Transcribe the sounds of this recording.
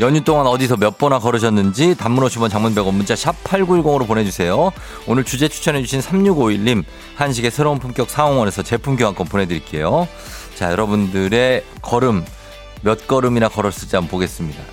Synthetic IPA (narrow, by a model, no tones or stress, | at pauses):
jʌɲut͈oŋanʌdisʰʌmjʌt̚p͈ʌnakʌɾɯɕ̬ʰʌnːɯnd͡ʑitamːuɾʌɕʰibʌnt͡ɕaŋmunbeɡʌmunt͡ɕ͈aɕʰapʰaɭɡuiɭɡoŋɯɾopone̞d͡ʑusʰe̞jo | onɯɭt͡ɕud͡ʑe̞t͡ɕʰu̥t͡ɕʰʌned͡ʑuɕʰinsʰamɲuɡoiʎːim | hanɕ̬ʰiɡe̞sʰe̞ɾounpʰumk͈jʌk̚s͈ʰaoŋwʌne̞sʰʌt͡ɕe̞pʰumɡjoɦank͈ʌnpone̞dɯɾiɭk͈e̞̰jo | t͡ɕajʌɾʌbundɯɾe̞ | kʌɾɯmː | jʌt̚k͈ʌɾɯmiɾakʌɾʌɭs͈ɯd͡ʑiambʌpoɡe̞s͈ɯmɲida